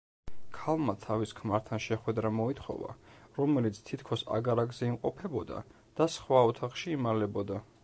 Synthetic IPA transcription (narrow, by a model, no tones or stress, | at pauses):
kʰalˠmat̪ʰaviskʰmaɾt̪ʰanʃɛχwɛd̪ɾamɔit̪ʰχɔ̰va̰ɾɔmɛlit̪sʰt̪ʰit̪ʰkʰɔsa̰ɡaɾaɡzɛimqʼɔpʰɛbɔd̪a̰ | d̪̥asχwaɔt̪ʰaχʃiːmaɾlɛbɔd̪a